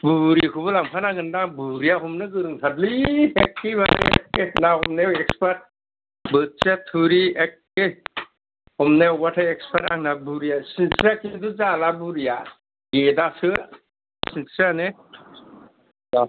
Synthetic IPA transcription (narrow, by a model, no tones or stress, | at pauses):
buɾikʰubɯlampʰanaɡɯndabuɾijaɦɔmnɯɡɯɾɯŋtʰatliekːibaɾekenahɔmnewekspʰat̚ | bɯt͡ʃetʰuɾiek̚ː | e | hɔmnewbatʰaekspʰata̰ŋnabuɾijasinsakiduzalabuɾija | ɡedasɯ | sinanɯ | a